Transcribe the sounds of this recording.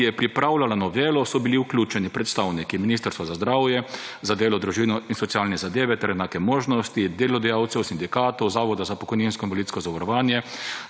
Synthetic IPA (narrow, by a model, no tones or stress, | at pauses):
ijɛpɾipɾawlalanɔʋeːlɔsɔbiliuklʲuːt͡ʃɛnipɾɛt̪st̪awnikiminiːs̬t̪əɾst̪ʋazazd̪ɾawjɛzad̪eːlɔd̪ɾuʒinɔinsɔt̪sijaːlnɛzad̪eːʋɛt̪ɛɾjɛnaːkɛmoːʒnɔst̪id̪eːlɔd̪ɛjawt̪sɛwsind̪ikaːt̪ɔwzaːʋɔd̪azapɔkɔjninskɔinʋɔlit̪skɔzaʋɔɾɔʋaːnjɛ